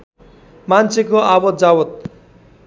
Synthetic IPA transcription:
mant͡sʰekoabʌt̪̚d͡zawot̪̚

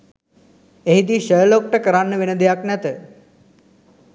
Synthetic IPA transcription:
eɦid̪iːʃəjəloːk̚ʈəkəɾanːəʋinəd̪ejaknɛt̪ə

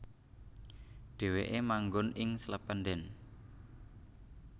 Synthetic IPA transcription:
ɖ̪̥e̤weʔemaŋɡʊnɪŋsələpəndɛn

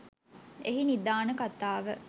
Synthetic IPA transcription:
eɦinid̪aːnəkat̪aːʋə

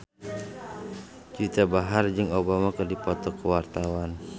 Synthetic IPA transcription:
d͡ʒit̪abaɦard͡ʒɨŋobamakərdipɔt̪ɔkəwart̪awan

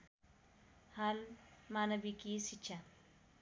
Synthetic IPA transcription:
halmaːnɐbikisitːt͡ʃʰa

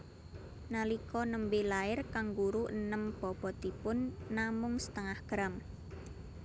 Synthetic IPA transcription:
nalikɔnəmbelaɪrkaŋɡuɾuənəmpɔpɔt̪ipʊnːamʊŋsə̥t̪əŋahɡ̥ɾam

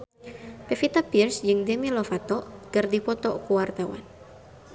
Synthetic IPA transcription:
pefit̪apirsd͡ʒɨŋdemilɔfat̪ɔkɨrdipɔt̪ɔkuwart̪awa̰n

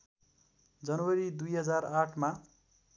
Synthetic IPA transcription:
d͡zʌnʌwʌɾid̪ujɦʌd͡zaraʈʰma

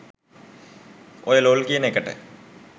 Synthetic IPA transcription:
ojeloːlkijənekəʈə̰

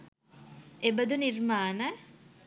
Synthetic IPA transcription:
ebəd̪unirmaːnə

